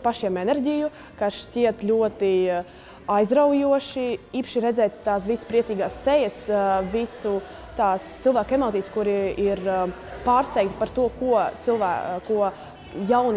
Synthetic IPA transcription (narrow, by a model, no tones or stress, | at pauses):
paʃjɛmɛnɛɾɟʲiju | kaʃtʲiɛt̪lʲuɔt̪i | ajzɾawjuɔʃiiːpʃiɾɛd̪zɛːjt̪ːaːsvisspɾiɛsiːɡaːsːɛjəsvʲisu | t̪aːst̪silˠvæːkɛmaːt̪iːskuɾiiɾpaːɾst̪ɛjkt̪i̥paɾt̪uɔkuɔt̪silˠvæːuɔ | jawn